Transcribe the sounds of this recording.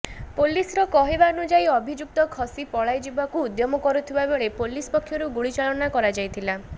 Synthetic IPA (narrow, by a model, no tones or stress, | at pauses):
polisɾɔkɔɦebaɔnud͡ʒajɔbʱid͡ʒuk̚t̪ɔkʰɔsipɔɭajd͡ʒibakuːd̪jɔmɔkɔɾut̪ʰibabeɭepolispɔkʰːjɔɾuɡuɭit͡ʃaɭɔnakɔɾad͡ʒajt̪ʰila